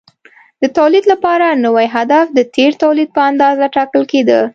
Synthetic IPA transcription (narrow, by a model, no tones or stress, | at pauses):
d̪ət̪awlid̪lapɑɾanəwajɦad̪afd̪ət̪ʰeɾt̪awlid̪̚pəand̪ɑzaʈɑkəlked̪ə